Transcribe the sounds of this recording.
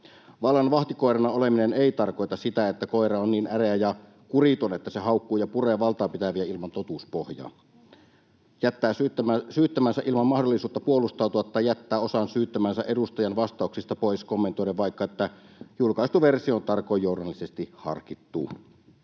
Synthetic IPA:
ʋɑlːɑnʋɑht̪ikoˑerɑnɑolemineneˑit̪ɑrkoˑjt̪ɑssit̪æet̪ːækoˑerɑonniːnæreæjɑ | kurit̪onet̪ːæsehɑˑukːuːjɑpureʋɑlt̪ɑːpit̪æʋiæilmɑnt̪ot̪uspohjɑ̰ːn | jæt̪ːæːsyːt̪ːæmænsæʔilmɑmmɑhdolːˑisuːt̪ːɑpuolːˑust̪ɑˑut̪uɑt̪ːɑjæt̪ːæːosɑnsyːt̪ːæmænsæʔedust̪ɑjɑnʋɑst̪ˑɑˑuksist̪ɑpoˑiskomːent̪oiɾeʋʋɑˑikːɑet̪ːæjulkɑˑist̪uʋersiont̪ɑrkojːoˑudɑlːisest̪ihɑ̰rkit̪ːṵː

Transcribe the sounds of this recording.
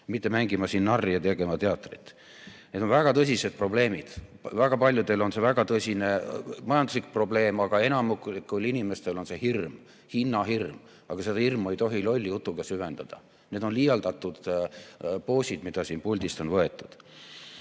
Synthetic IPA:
mit̪ːe̞mæŋɡ̥imɑsiːnːɑrːijɑt̪e̞ɡ̥e̞mɑt̪e̞ɑt̪ːˑrit̪ | ne̞d̪̥o̞nvæɡ̥ɑt̪ɤs̬ʲise̞d̪̥̚pro̞ble̞ːmid̪̥væɡ̥ɑpɑlʲjud̪elo̞nse̞væɡ̥ɑt̪ɤsʲine̞mɑjɑnd̪uslik̚pro̞ble̞ːmɑɡ̥ɑe̞nɑmuklikːˑulinime̞st̪e̞lo̞nse̞hirm | hinːɑɦirm | ɑɡ̥ɑse̞d̪ɑirmue̞jt̪o̞ɦilo̞lʲːjut̪ːˑuɡ̥ɑsyve̞nd̪̥ɑd̪̥ɑ̰ | ne̞ːd̪o̞nlijɑld̪ɑt̪ːˑud̪̥ | po̞ːsʲid̪̥mid̪̥ɑsiːnpulʲd̪̥ist̪o̞nvɤe̞t̪ːˑud̪̥

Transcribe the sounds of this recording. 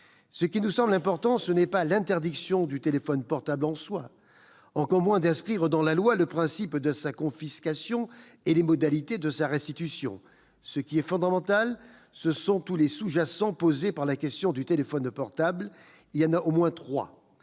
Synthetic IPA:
səkʲinusɑ̃blɛ̃pɔʁt̪ɑ̃sənɛpalɛ̃t̪ɛʁd̪iksjɔ̃d̪yt̪elefɔnpɔʁt̪ablɑ̃swa | ɑ̃kɔʁmwɛ̃d̪ɛ̃skχiʁəd̪ɑ̃lalwaləpχɛ̃sipd̪əsakɔ̃fiskasjɔ̃elemɔd̪alit̪ed̪əsaʁɛst̪it̪ysjɔ̰̃ | səkʲiɛfɔ̃d̪amɑ̃t̪al | səsɔ̃t̪ulesuʒasɑ̃pozepaʁlakʲɛst̪jɔ̃d̪yt̪elefɔnpɔʁt̪abl | iljɑ̃naʔomwɛ̃t̪χwa̰

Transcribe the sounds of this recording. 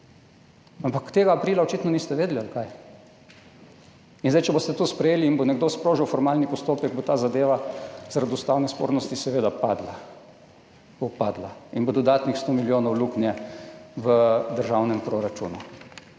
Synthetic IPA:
ampakt̪eːɡaːpɾiːlaɔt͡ʃit̪nɔnist̪ɛʋeːd̪lialkaj | inzd̪ɛjt͡ʃɛbost̪ɛt̪uspɾɛjeːliːnbonɛɡd̪ospɾoːʒiwfɔɾmaːlnipɔst̪oːpɛk̚bot̪aːzad̪eːʋazaɾad̪ust̪aːwnɛspo̰ːɾnɔst̪isɛʋeːd̪apaːd̪la | bopaːd̪lainbod̪ɔd̪aːt̪nixst̪omiljoːnɔwluknjɛʋəd̪əɾʒawnɛmpɾoɾat͡ʃṵːnu

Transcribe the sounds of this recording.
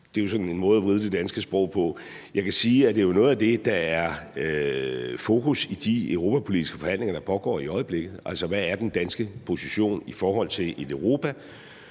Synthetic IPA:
d̥e̝jo̝sɒ̥̽nenmɔ̽ːð̞̩ˠæʋʁið̞ˠəd̥e̝d̥ænsɡ̥əsb̥ʁɔʊ̰pʰɒ̽ | jɑ̈ɪkʰæsiːæd̥e̝ːjo̝nɔ̽ːð̩ˠæd̥e̝d̥ɑ̈æɐ | fokʰusid̥iøʊʁo̝ːpʰæpʰo̝lidisɡ̥ə̥fɒ̽hæn̰le̝ŋɐd̥ɑ̈pʰɒ̽ɡ̥ɒ̰ːiɒ̽ɪəb̥le̝ɡ̥ð̩ˠʔæl̰sɒʋææɐd̥end̥ænsɡ̥əpʰo̝siɕo̝̰ːnifɒːɦɒ̽l̰t͡sʰe̝le̝d̥əʊʁo̝ːpʰæ

